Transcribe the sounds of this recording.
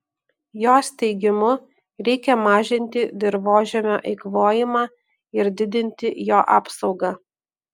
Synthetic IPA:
joːsʲt̪ʲɛɪɡʲɪmʊ | ɾʲɛɪkʲɛmɑːʒʲɪnʲt̪ʲɪd̪ʲɪɾʋoːʒʲɛmʲoːʔɐɪkʋoːjɪmɑː | ɪɾd̪ʲɪd̪ʲɪnʲt̪ʲɪjoːʔɑːpsɒʊɡɑː

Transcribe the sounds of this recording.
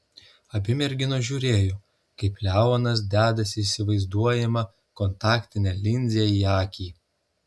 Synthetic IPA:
ɐbʲɪmʲɛɾʲɡʲɪnoʒʲuːɾʲeːjoː | kɐɪplʲæːʋoːnɐs̬d̪ʲæːd̪ɐsʲɪːsʲɪʋɐɪzd̪uɔjɛmɐ | kɔnt̪ɑːkt̪ʲɪnʲɛlʲɪnʲzʲɛijɑːkʲiː

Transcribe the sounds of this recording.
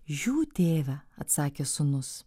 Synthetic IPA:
ʒʲuːt̪ʲeːʋʲɛɐt̪sɑːkʲeːsʊnʊs

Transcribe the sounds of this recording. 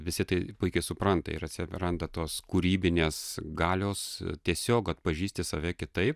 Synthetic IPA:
ʋʲɪsʲɪt̪ɐɪpʊɪkʲɐɪsʊpɾɐnt̪ɐ̰ɪ̰ɾɐt̪ʲsʲɪrɐnd̪ɐt̪oːskuɾʲiːbʲɪnʲeːsɡɑːlʲoːst̪ʲiɛsʲoːkɐt̪̚pɐʒʲiːsʲt̪ʲɪsɐʋʲɛkʲɪt̪ɐɪp̚

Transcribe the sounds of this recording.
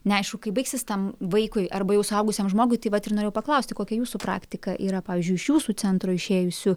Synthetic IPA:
nʲɛɐɪʃkʊkɐɪbɐɪksʲɪst̪ɐmʋɐɪkʊɪʔɐrbɐjɛʊsʊɐʊɡʊsʲeɛmʒmoːɡʊɪt̪ɐɪʋɐt̪ɪrnoːɾʲeːjɛʊpɐklˠɐʊsʲt̪ʲɪkoːkʲɛjuːsupɾɑ̰ːkt̪ʲɪkɐʔiːɾɐpɑːʋʲɪːzʲd͡ʒʊɪʃjuːsuːt͡s̪ʲɛnt̪ɾoːɪʃʲeːjʊsʲʊ

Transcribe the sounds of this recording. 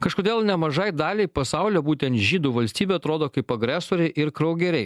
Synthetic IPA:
kɐʃkoːd̪ʲeːlˠnʲɛmɐʒɐɪd̪ɑːlʲɛɪpɐsɑˑʊlʲɛbuːt̪ʲɛnt̪ʒʲiːd̪uːʋɐlʲsʲt̪ʲiːbʲeɐt̪ɾoːd̪oːkɐɪpɐɡɾʲæsoːɾʲɛɪʔɪɾkɾɐʊɡʲɛɾʲɛɪ

